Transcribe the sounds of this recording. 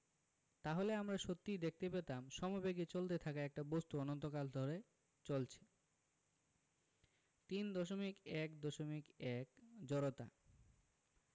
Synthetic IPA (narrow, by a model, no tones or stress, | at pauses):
t̪aɦoleamɾaʃot̪ːijd̪ek̚ʰt̪epet̪amʃɔmobeɡet͡ɕolt̪et̪ʰakaɛk̚ʈabost̪uɔnont̪okald̪ʱɔɾe | t͡ɕolt͡ɕʰe̥ | t̪ind̪ɔʃomikɛkd̪ɔʃomikɛkd͡ʑɔɾot̪a̰